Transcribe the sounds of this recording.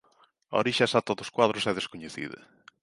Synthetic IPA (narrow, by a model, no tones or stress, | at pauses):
a̰o̰ɾiʃasat̪ɐðʊskwaðɾʊsɛðeskoɲeθḭðɐ̰